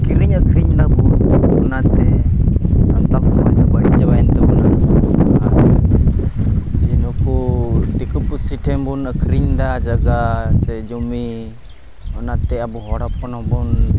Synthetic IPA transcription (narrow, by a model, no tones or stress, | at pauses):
kiɾiɲəkʰɾiɲdabuɔnat̪ɛ | sant̪aksamajnabaɽiɲd͡ʒabajnt̪ɛbɔnad͡ʒɔbɔa | d͡ʒinɔkud̪ikupusiʈʰɛmbunəkʰɾiɲd̪ad͡ʒaɡasɛd͡ʒɔmi | ɔnat̪ɛabuɦɔɽap̚kɔnɔbɔn